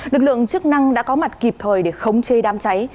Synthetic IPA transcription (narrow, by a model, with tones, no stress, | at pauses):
lɨ˨˩k̚lɨ̰˧˨əŋt͡ɕɨ˦˥ək̚na˧ŋɗa̰ː˧˥kɔ˨˦ma˨˩t̚ki˨˩p̚t̪ʰəː˨˩jɗe˧˩xə˧wŋ͡mt͡ɕe˧ɗaː˧mt͡ɕa˨˦j